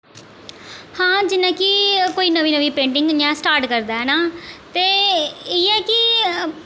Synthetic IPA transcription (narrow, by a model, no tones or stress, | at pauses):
hãːd͡ʒɪnːãːkɪkoːiːnəʋiːnəʋiːpẽːɳʈɪ̃ŋɡɲãːsʈaːɾʈkəɾd̪aːɦɛːnaːt̪eːeɛːkɪ